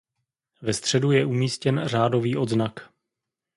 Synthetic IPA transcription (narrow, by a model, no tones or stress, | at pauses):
vɛst̪r̝̥ɛdujɛʔumiːscɛnraːdo̞viːʔo̞d̪znak